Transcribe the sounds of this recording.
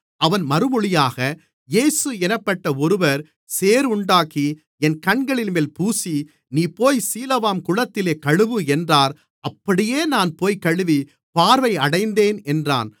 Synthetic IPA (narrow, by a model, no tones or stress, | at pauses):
ɐʋɐnmɐɾɯmɔɭɪjaːɣɐ | jeːsɯɛnɐpːɐʈːɐɔɾɯʋɐɾ | seːɾʊɳɖaːki | ɛnkɐɳɡɐɭɪnmeːlpuːsi | niːpoːjsiːlɐʋaːmkʊɻɐt̪ːɪleːkɐɻɯʋɯɛndraːɾ | ɐpːɐɽɪjeːnaːnpoːjkɐɻɯʋi | paːɾʋɐɪɐɽɐɪnd̪eːnɛndra̰ːn